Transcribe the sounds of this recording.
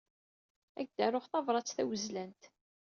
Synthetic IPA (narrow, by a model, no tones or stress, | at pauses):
æɡ̚d̪æɾʊχθɑvɾˤɑt͡sːθæwəzlænt̪